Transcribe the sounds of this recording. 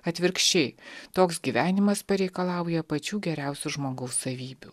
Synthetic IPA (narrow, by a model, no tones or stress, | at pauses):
ɐt̪ʲʋʲɪɾkʃʲt͡ʃʲɛɪt̪oːksɡʲiːʋʲæːnʲɪmɐspɐɾʲɛɪkɐlˠɑˑʊjɛpɐt͡ʃʲuːɡʲɛɾʲɛʊsʲuʒmoːɡɐʊsɐʋʲiːbʲuː